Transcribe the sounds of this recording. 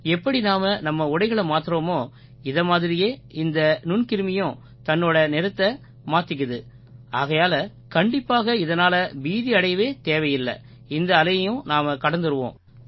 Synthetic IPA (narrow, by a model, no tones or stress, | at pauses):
ɛpːɐɽinaːmɐnɐmːɐʊɽɐɪɣɐɭɐmaːt̪ɯɾoːmoː | ɪðɐmaːðɪɾɪjeːɪnd̪ɐnʊnkɪɾɯmɪjʊ̃ | t̪ɐnːoːɽɐnɪɾɐt̪ːɐ | maːt̪ɪk̬ːɯðɯ | aːɣɐjaːlɐ | kɐɳɖɪpːaːɣɐɪðɐnaːlɐbiːðiɐɽɐɪʋeːt̪eːʋɐjɪlːɐ̰ | ɪnd̪ɐːlɐjɐjʊ̃naːmɐkɐɽɐnd̪ɯɾɯʋõ̰ː